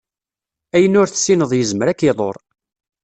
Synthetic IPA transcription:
æjənʊɾθəsːinəðˤjəzməɾækːeðˤo̰ɾˤ

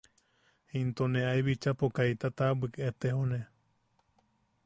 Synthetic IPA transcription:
hint̪oneajβit͡ʃapokait̪at̪abɨket̪ehone

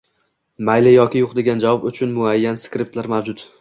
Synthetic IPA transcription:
majlɪjɒkʲɪjoqd̪eɡʲand͡ʒavɒbʊt͡ʃʰʊnmʊajːanskɾɪp̚t̪laɾmawd͡ʒʊt̪

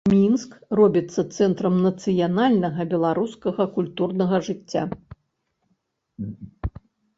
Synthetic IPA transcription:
mʲinskrɔbʲit̪sːɐt̪sɛnt̪ɾɐmnɐt̪sɨjanalʲnɐɣɐbʲɛlˠaɾuskɐɣɐkulʲt̪urnɐɣɐʐɨt͡sʲːa̰

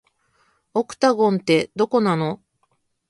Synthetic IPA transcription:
okɯ̟̥t̪aɡõ̞nt̪e̞d̪o̞ko̞nano̞

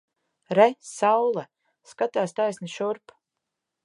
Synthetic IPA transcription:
ɾɛsawlˠa | skat̪aːst̪ajsniʃuɾp

